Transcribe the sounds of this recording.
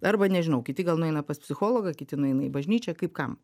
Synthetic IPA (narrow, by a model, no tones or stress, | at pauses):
ɐrbɐnʲɛʒʲɪnɐʊkʲɪt̪ʲɪɡɐlˠnʊɛɪnɐpɐspʲsʲɪxoːlˠoːɡɐkʲɪt̪ʲɪnʊɛɪnɐibɐʒʲnʲiːt͡ʃʲɛkɐɪpkɐm